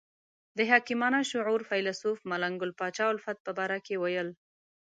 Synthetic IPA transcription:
d̪əɦɑkimɑnaʃʊʕuɾfajlasufmalaŋɡʊlpɑt͡ʃɑʊlfat̪̚pəbɑɾakewajəl

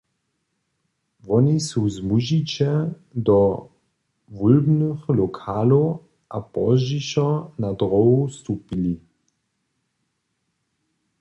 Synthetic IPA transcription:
ʋɔnisuzmuʒit͡ʃɛ | d̪ɔ | ʋulbnøxlɔkʰaːlo | ʔapɔʒiʃɔnad̪ʁɔust̪upili

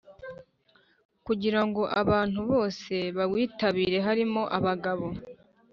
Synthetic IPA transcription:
kuɟiɾaŋɡo̞ʔaβaːn̥huβo̞ːse̞βaβwiːtaβiːɾe̞ɦaɾimo̞ʔaβaɡaβo̞

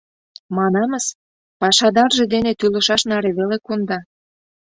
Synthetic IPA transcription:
mɑnɑməs | pɑʃɑd̪ɑrʒed̪enet̪ylə̆ʃɑʃnɑɾeβelekund̪ɑ

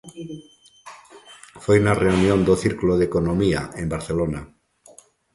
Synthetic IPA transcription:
fojunareunjond̪oθiɾkloðekonomia̰embaɾθelona

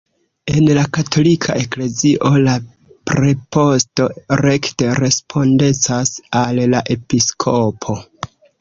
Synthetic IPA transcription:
e̞nlakatʰo̞likʰaʔe̞kle̞ziʔo̞la | pɾe̞pʰo̞sto̞ɾe̞kte̞ɾe̞spʰo̞nde̞t͡sasallaʔe̞piskʰo̞pʰo̞

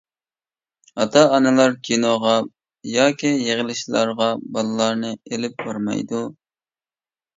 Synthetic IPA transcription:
ɑt̪ʰɑːnɨlˠɑɾkʲʰinoʁɑ | jɑːkʲijeʁɪlɪʃlˠɑɾʁɑbɑlˠɨlˠɑɾnɨelɪp̚b̥ɑɾmɑ̰jd̪u

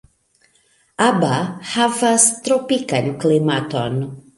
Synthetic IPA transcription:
ʔabahavast̪ɾopikanklimat̪ɔn

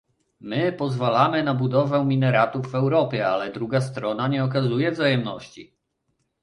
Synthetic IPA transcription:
mɘpɔzvalamɘnabud̪ɔvɛmʲinɛɾat̪uvːɛwɾɔpʲjɛalɛd̪ɾuɡast̪ɾɔnaɲɛɔk̬azujɛvzajɛmnɔɕt͡ɕi

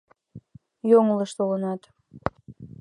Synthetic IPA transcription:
joŋləʃt̪olənɑt̪

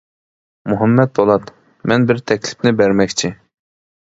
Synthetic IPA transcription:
muɦɛmːɛt̪̚bolˠɑt̪ | mɛnbɪɾt̪ʰɛkʲlɪ̥pnɪbæɾmɛkʲt͡ʃʰi

